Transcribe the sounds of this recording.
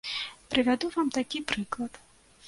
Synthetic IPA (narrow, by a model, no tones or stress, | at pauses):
pɾɨvʲad̪uvamt̪akʲipɾɨklˠɐt̪